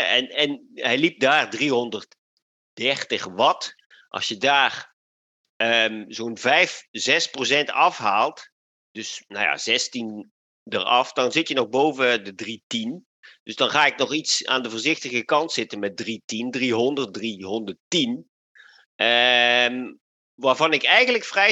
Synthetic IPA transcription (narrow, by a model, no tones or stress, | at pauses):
ɛnɛn | hɛjlip̚daːrdriɦɔndərt | d̥ɛrtəxʋɔt | ʔɑ̰lˠsjədaːr | əmzoːnvɛjfzɛsprosɛntɑfɦaːlˠt | d̥øsna̰wja̰zɛstin | dərɑ̰fdɔnzɪtjənɔɣbowvədədritin | d̥øzdɑnχaːɪknɔχitsa̰ːndəvoːrzɪxtəɣəkɑntsɪtənmɛt̚dritindriɦɔndərt̚driɦɔndərtin | əm | ʋaːrvɑnɪkɛjɣənləkfrɛ